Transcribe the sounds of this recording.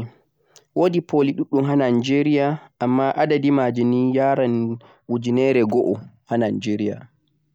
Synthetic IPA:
wodipʰoliɗuɗːumɦananid͡ʒeɾijaʔamːaʔadadimad͡ʒinijaːɾan | ud͡ʒinɛːɾɛɡɔʔɔhananid͡ʒeɾija̰

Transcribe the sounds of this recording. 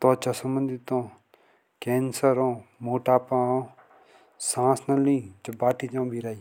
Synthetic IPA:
t̪ɔːt͡ʃasəmbə̃nd̪ɪt̪õː | kɛːnsəɾõːmoːʈaːpãːõː | sãːsnɐlĩːt͡ʃɐbaːʈʰiːd͡ʒãːbʱiɾaːi

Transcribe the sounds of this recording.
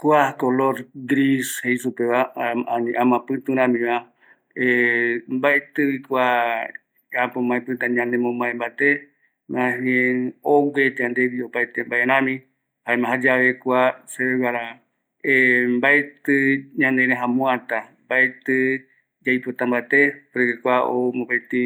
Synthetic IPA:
kʷakoloɾɡɾishejsupeβaaniʔãmãpɨ̃t̪ũɾ̃ãmĩβa | embaet̪ɨβikʷa | apomãẽpɨ̃t̪aɲãnd̪emõmãẽmbat̪e | mãɦeowet̪eand̪eβiopaet̪embaʔeɾãmĩ | haemãɦad͡ʒaβekʷaseβewaɾa | embaʔet̪ɨɲãnd̪eɾẽɦãmũãt̪ambaʔet̪ɨ | d͡ʒajpot̪ambaet̪epɾɨkekʷaomopet̪ɨ

